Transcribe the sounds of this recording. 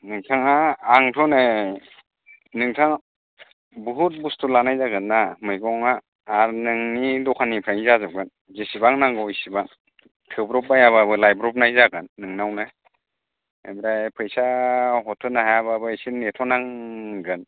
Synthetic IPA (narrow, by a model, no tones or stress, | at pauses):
nɯŋtʰaŋaːŋtʰɔne | nɯŋtʰaŋ | buɦut̚bustʰulanajzaɡɯnːamɯjɡɔŋaː | ɾnɯŋnidɔkʰanipʰaŋizazɯɡɯn | zesibaŋnaŋɡɔjsibaŋ | tʰɯbɾɔp̚bajaβabɯlajbɾɔp̚najzaɡɯnːɯŋnawna | emɾajpʰɯjsaɦɔtʰːɯnaɦajaβabɯsinetʰɔnaŋɡɯn